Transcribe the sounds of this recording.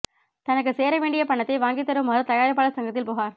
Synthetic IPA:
t̪ɐnɐk̬ːɯseːɾɐʋeːɳɖɪjɐpɐɳːɐt̪ːɐɪʋaːŋɡɪt̪ːɐɾɯmɐːɾɯt̪ɐjaːɾɪp̬ːaːɭɐsɐŋɡɐt̪̬ːɪlpoːɣaːɾ

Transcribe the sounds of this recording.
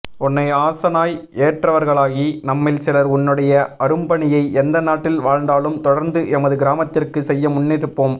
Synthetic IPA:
ʊnːɐɪaːsɐnaːjeːʈrɐʋɐɾɣɐɭaːɣinɐmːɪlsɪlɐɾʊnːɯɽɐjɐʔɐɾɯmbɐɳɪjɐɪɛnd̪ɐnaːʈːɪlʋaːɻnd̪aːlɯmt̪ɔɽɐɾnd̪ɯʔɛmɐðɯɡɪɾaːmɐt̪ːɪrkɯsɛjːɐmʊnːɪɾɯpːoːm

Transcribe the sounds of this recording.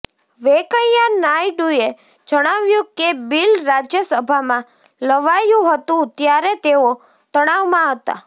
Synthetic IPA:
ʋekəjjanajɖuje | d͡ʒəɽ̃aʋjũkebilɾad͡ʒjəsəbʱamã | ləʋajũɦət̪ũt̪jaɾet̪eo | t̪əɽ̃aʋmãɦət̪a̰

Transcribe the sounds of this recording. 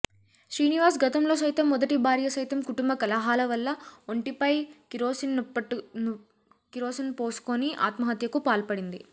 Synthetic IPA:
ʃɾiːniʋaːs̬ɡɐt̪ɐmlo̞ːsɐjt̪ɐmːɔd̪ɐʈibʱaːɾjɐsɐjt̪ɐmkuʈumbɐkɐlɐɦaːlɐʋɐlːɐoɳʈipɐjkiɾoːsinnu | kiɾoːsɐnpoːsu̥koniʔa̰ːt̪mɐɦɐt̪jɐkupaːlpɐɽind̪i

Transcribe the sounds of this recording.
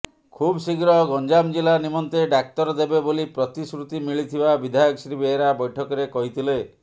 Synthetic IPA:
kʰubsiɡɾɔɦɡɔnd͡ʒamd͡ʒilanimɔnt̪eɖak̚t̪ɔɾɔd̪ebebolipɾɔt̪iskɾut̪imiɭit̪ʰibabid̪ʱajɔksɾibeɦeɾabɔjʈʰɔkɔɾekɔɦit̪ʰile

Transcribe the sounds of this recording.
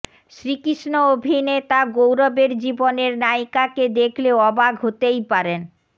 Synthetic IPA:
ʃɾikiʃnoobʱinet̪aɡowɾɔbeɾd͡ʑiboneɾnajkaked̪ekʰleɔbaɡʱɦot̪ejpaɾen

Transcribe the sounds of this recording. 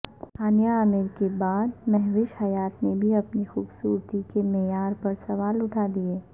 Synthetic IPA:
haːnjaːmɪɾkebaːd̪mɛɦʋɪʃhɐjaːt̪nebʱiɐpnixuːbsuːɾt̪ikemeːjaːɾpɐɾsɐʋaːlʊʈʰaːd̪ieː

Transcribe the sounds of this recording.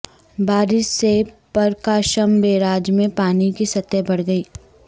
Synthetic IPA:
baːɾɪʃsepɐɾkaːʃəmbeːɾaːd͡ʒmẽpaːnikisɐt̪ːjɛbɐɽɡɐiː

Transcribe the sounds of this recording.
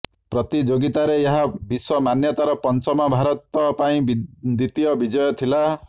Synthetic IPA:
pɾɔt̪id͡ʒoɡit̪aɾeeɦabiswɔmanjɔt̪aɾɔpɔnt͡ʃɔmabʱaɾɔt̪ɔpaĩbd̪it̪ijɔbid͡ʒɔjɔt̪ʰila

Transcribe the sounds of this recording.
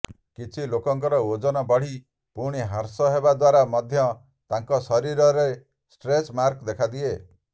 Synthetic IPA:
kit͡ʃʰilokɔŋkɔɾɔod͡ʒɔnɔbɔɽ̤i | puɽ̃iɦaɾsɔɦebad̪waɾamɔd̪ʱjɔ | t̪aŋkɔsɔɾiɾɔɾe | sʈɾesmaɾkd̪ekʰad̪ie

